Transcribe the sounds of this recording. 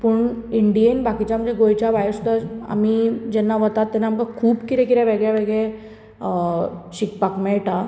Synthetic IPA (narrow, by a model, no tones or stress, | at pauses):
puːɳiɳɖijenbakit͡ɕjam̤ənd͡zeɡojt͡ɕaʋajɾsud̪ʱaa̰mid͡ʑɛnːaʋət̪at̪ːɛnːaməkakʰuːbkit̪ẽkiɾjaʋeɡɭjaʋeɡɭe | ɕikpakmɛʈa